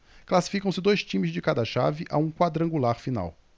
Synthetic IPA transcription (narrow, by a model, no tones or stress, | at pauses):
klasi̥fikɐ̃w̃sɪd̪ojst͡ʃĩmɪzd͡ʒɪkad̪ɐʃa̰vɪʔa̰ũkwad̪ɾɐ̃ŋɡulaɾfina̰w